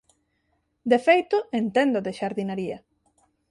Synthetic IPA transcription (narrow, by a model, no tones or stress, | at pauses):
d̪efejt̪ʊent̪ɛnd̪ʊðeʃaɾðinaɾiɐ